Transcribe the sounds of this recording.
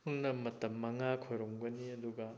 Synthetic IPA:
huŋnɐmɐtɐmːɐŋakʰojɾoŋbɐniɐd̪uɡɐ

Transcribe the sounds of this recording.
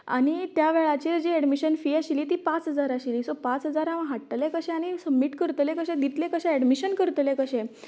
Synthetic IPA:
a̰ɽ̃it̪jaʋɛɭat͡ɕeɾd͡ʑiɛɖmiɕənfiːaɕiliːt̪iːpãt͡sɦəd͡zaɾaɕiliːsopãt͡sɦəd͡zaɾaʋãɦaʈːlẽkəɕɛ̃aɽ̃isəbmːiʈkəɾt̪lekəɕɛ̃d̪it̪lẽkəɕɛ̃ɛɽmiɕənkəɾt̪lekəɕɛ̃

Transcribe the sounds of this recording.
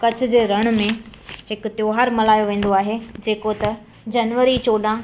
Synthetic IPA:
kɐt͡ɕʰʊ̆d͡ʑeːɾɐɽ̃ʊ̆mẽɦɪkʊt̪joːɦaːɾmɐlaːjoʋẽːn̆d̪oaːɦed͡ʑeːkot̪ɐ | d͡ʑɐnʋəɾit͡ɕoːɗã

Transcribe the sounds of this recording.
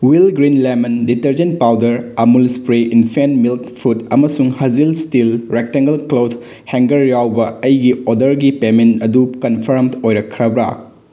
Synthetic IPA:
wilɡɾinlemɐnditɐɾd͡ʒent̚pawdɐɾɐmulspɾeinpʰenmilkpʰutɐmɐsuŋhɐzilstilɾek̚teŋɡɐlklos | heŋɡɐɾjawbɐɐjɡiodɐɾɡipementɐdukɐnpʰɐɾmtojɾɐkʰːɾɐbɾa̰

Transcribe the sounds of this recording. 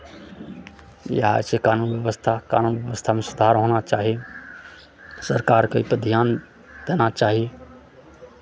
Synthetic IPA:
jə̰ɦa̰sekaːnunʋjeʋəst̪ʰaka̰ːnunʋjəʋəst̪ʰamẽsʊd̪ʱaɾɦonat͡ʃaːɦije | səɾkaːɾkaipəd̪ʱijan | d̪̥eːnat͡ʃaːɦije

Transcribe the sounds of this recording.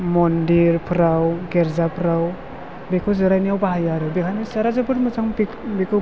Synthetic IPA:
mɔndiɾpʰɯɾawɡeɾzapʰɾaw | bekʰɯzɯɾajnijawbaɦajaɾɯbekʰanisaɾazɯbɯɾmɯzaŋb | bekʰɯ

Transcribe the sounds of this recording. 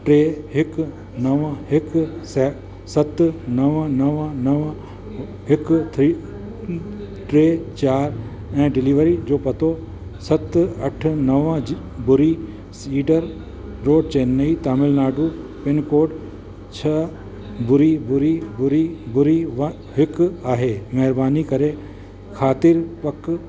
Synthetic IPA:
ʈɾeːɦɪk | nɐʋãɦɪksɛ | sɐt̪nɐʋãnɐʋãnɐʋ | ɦɪkt̪ʰi | ʈɾeːt͡ʃaːɾ | ɛ̃ːɖɪliːʋəɾid͡ʒoːpɐt̪oː | sɐt̪ɐʈʰnɐʋã | bʊɾi | siːɖəɾ | ɾoːɖ̚t͡ʃeːnːəit̪aːmɪlnaːɖu | pɪnkoːʈ | t͡ʃʰɐ | bʊɾibʊɾibʊɾibʊɾiʋ | ɦɪkaːɦemɛɦɾbaːnikɐɾe | kʰaːt̪ɪɾpɐk

